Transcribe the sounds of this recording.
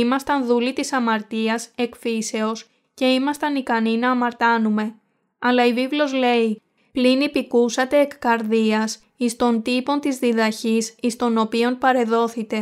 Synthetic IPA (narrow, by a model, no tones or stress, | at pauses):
imɐst̪ɐnðulit̪isɐmɐɾt̪iɐse̞kfise̞o̞s | ce̞imɐst̪ɐnikɐninɐːmɐɾt̪ɐnume̞ | ɐlɐivivlo̞zle̞i | plinipikusɐt̪e̞ːkkɐɾðiɐs | ist̪o̞nt̪ipo̞nt̪izðiðɐçisist̪o̞no̞pio̞npɐɾe̞ðo̞θit̪e̞